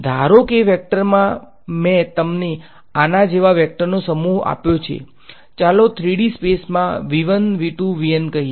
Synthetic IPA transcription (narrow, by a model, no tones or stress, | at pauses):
d̪ʱaɾokeʋɛk̚ʈəɾmã | mẽt̪əmne | anad͡ʒeʋaʋɛk̚ʈəɾnosəmuɦa̰pjot͡ʃʰḛ | t͡ʃalot̪ʰɾiɽispesmãʋiʋənʋiʈuʋijənkəɦi